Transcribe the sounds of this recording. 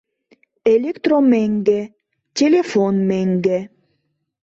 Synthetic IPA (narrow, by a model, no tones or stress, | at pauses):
elʲekt̪romeŋɡe | tʲelʲefonmeŋɡe